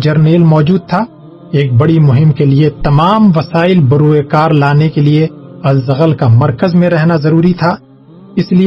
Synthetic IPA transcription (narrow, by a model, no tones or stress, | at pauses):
d͡ʒɐɾneːlmɔːd͡ʒuːd̪̚t̪ʰaː | eːk̚bɐɽimʊɦɪmkeliet̪ɐmaːmʋɐsaːɪlbɐɾuːekaːɾlaːnekelieɐlzɐɣəlkamɐɾkəzmẽɾɛɦnazɐɾuːɾit̪ʰaː | ɪsli